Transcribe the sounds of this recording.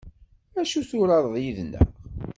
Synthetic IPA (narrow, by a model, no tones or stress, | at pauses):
æʃuθuɾɑɾˤðˤjiðnə̰